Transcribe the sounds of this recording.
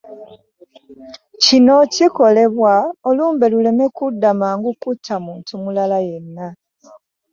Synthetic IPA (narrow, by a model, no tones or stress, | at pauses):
cino̞ciko̞le̞βwaoluːmbe̞lule̞me̞kudːamaːŋɡukutʰːamuːntumulalaje̞nːa